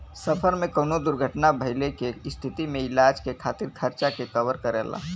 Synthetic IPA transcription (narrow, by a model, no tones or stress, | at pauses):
səpʰəɾmẽkəːnod̪ʊɾɡʱəʈnabʱəɪlekest̪ʰɪt̪imẽɪlaːd͡ʒkekʰaːt̪ɪɾkʰəɾt͡ʃakekəʋəɾkəɾɛ̰ːla̰